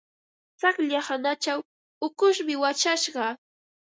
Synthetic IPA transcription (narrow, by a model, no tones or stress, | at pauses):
t͡sakʎahanat͡ʃaw | ʊkʊʃmɪwat͡ʃaʃɢɑ